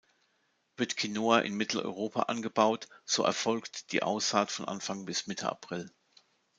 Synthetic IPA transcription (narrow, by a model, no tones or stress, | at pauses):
v̥ɪɐtkʰinoːaʔɪ̰nmɪtl̩ɔ̰ʏʁ̞oːpʰa̰ʔanɡəbaʊtz̥oːʔɛ̰ɐfɔlktd̥ḭːʔa̰ʊsaːtfɔnʔa̰nfaŋbɪsmɪtʰə̰ʔa̰pʁ̥ɪl